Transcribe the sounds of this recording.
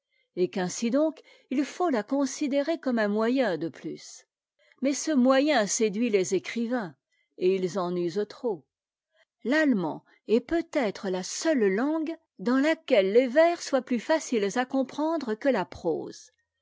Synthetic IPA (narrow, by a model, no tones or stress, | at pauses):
ekɛ̃sid̪ɔ̃k | ilfolakɔ̃sid̪eʁekɔmɛ̃mwajɛ̃d̪əplys | mɛsəmwajɛ̃sed̪ɥilezekχivɛ̃ | eilzɑ̃nyzt̪χo | lalmɑ̰̃ | ɛpøt̪ɛt̪χəlasœlːɑ̃ɡ | d̪ɑ̃lakʲɛlːevɛʁswaplyfasilzakɔ̃pχɑ̃d̪ʁəkəlapχo̰ːz̥